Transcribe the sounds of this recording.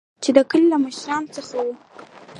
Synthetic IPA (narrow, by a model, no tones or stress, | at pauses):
t͡ʃed̪əkəlilaməʃɾɑnot͡səxawu